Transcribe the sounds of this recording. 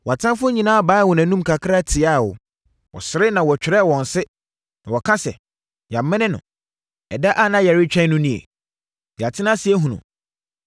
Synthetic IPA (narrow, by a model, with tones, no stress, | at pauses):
wɔ˨a˨tʰã˦fʊ˦ɲĩ˨nãː˦a˦baː˨˦wʊ˨næ̃˨nũ˦m˦kʰa˨kʰɾa˦tʰɪ˨a˦˨wʊ̰˨ | wɔ̰˨sɪ˨ɾɪ˦nã˨wɔ˨t͡ɕᶣɪ˨ɾɛ˦˨wɔ̃˨n̩˨sɪ˦ | nã˨wɔ˨kʰã˦sɛ̰˨ | ja˨m˨mɪ̃˦nɪ̃˦nʊ̰̃˨ | ɛ˨da˦ʔa˦˨nã˦jɛ˨ɾɪ˦t͡ɕᶣɛ̃˦nʊ̃˦nĩ˨ḛ˨ | ja˨tʰɪ˦nã˦si˨˦e˦ɦũ˨nʊ̰̃˨